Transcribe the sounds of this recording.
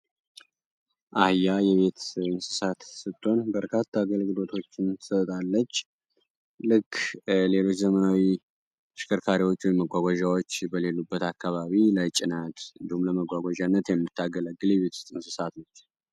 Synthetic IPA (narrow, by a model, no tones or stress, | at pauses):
ʔahjajɛβe̞t̪ɨnsɨ̥sat̪sɨt̪ʼːo̞nbəɾkʰat̪ʰːaːɡəlɡɨlo̞t̪ʰo̞t͡ʃːɪnsət̪ʼalːət͡ʃː | lɨkːle̞lo̞t͡ʃːzəmənawi | ʃɪ̥kʰəɾkʰaɾiwo̞t͡ʃːwɔjməɡʷaɡʷaʒawot͡ʃːbəle̞lːubːət̪akːaβaβilat͡ʃʼɪnat̪ɨnd̪ihumləməɡʷaɡʷaʒanːət̪jɛmːɨt̪ʰːaɡələɡːɨljɛβe̞t̪st̪ʼɨnsɨsat̪nət͡ʃː